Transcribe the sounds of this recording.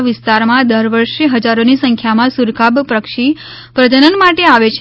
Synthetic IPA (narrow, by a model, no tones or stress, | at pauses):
ʋɪst̪aɾmãd̪əɾʋəɾʃeɦəd͡ʒaɾonisə̃ŋkʰjamãsuɾkʰabpɾəkʃi | pɾəd͡ʒənənmaʈeaʋet͡ʃʰ